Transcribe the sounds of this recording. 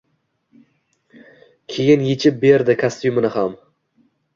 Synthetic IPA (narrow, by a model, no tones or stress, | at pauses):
kʲʰe̞jɪnjet͡ʃʰɪp̚be̞ɾd̪ɪkʰast̪jʊmɪnɪham